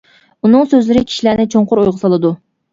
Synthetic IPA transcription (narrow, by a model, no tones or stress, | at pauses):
unɨŋsøzlɪɾɪkʲʰi̥ʃilænɪt͡ʃʰoɴqʊɾojʁəsɑlˠɨd̪u